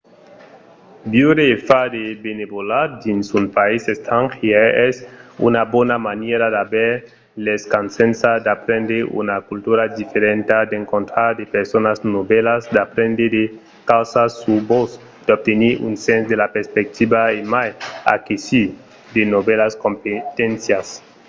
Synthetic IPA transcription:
bjuɾefad̪ebenebolad̪insunpaisest̪ʰaŋxjeɛsṵnabonamaneɾad̪abeɾ | leskansẽnsad̪apɾẽnd̪eṵnakult̪uɾad̪ifeɾẽnt̪ad̪ẽŋkõnt̪ɾaɾd̪epeɾsonasnobelasd̪apɾẽnd̪ed̪e | kawsasubos | d̥̪ob̚t̪eniɾṵnsẽnsd̪elapeɾspek̚t̪ibaemaja̰kisi | d̪enobelaskompet̪ẽnsjas

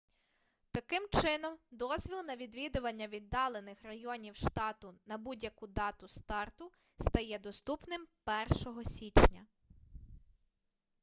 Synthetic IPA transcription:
t̪ɐkɪmt͡ʃɪnɔmd̪ɔzʲʋʲilˠnɐʋʲid̪ʋʲid̪ʊʋɐnʲːɐʋʲid̪ːɑlˠenɪxrɐjɔnʲiwʃt̪ɑt̪ʊnɐbudʲjɐkud̪ɑt̪ʊst̪ɑrt̪ʊ | st̪ɐjɛd̪ɔst̪upnɪmpɛrʃɔɦɔsʲit͡ʃnʲɐ

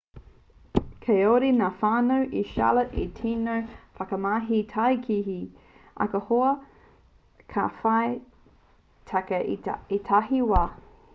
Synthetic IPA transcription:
kʰejoɾinaːfaːnɐwʔiʃa̰ləʔḭtʰinəɹfɐkəmaːɦitʰajkʰiɦi | ʔɐ̰kəhoɐ | kʰa̰faj | tʰakəiitʰaɦiwaː

